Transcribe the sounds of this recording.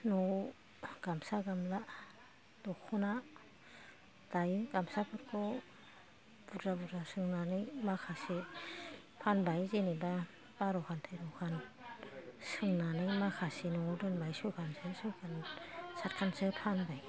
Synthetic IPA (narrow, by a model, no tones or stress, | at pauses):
nɔ | ɡ̥amsaɡamla | dɔkʰɔna | d̥ajɡamsapʰɯɾkʰɔ | b̥udɾabudɾasɯŋnanɯjmakʰasi | pʰanbajzeniba | b̥aɾɔkʰantʰɯjɾɔwkʰan | sɯŋnanɯjmakʰasinɔdɯnbajsujkʰansɯsujkʰansat̚kʰansɯpʰanbaj